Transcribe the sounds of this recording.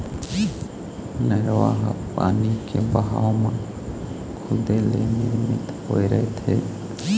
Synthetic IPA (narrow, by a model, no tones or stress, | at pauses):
nəɾʋaɦapa̰ːnikebəɦaomən | kʰʊd̪elḛnɪɾmɪt̪hoeɾəɦet̪ʰe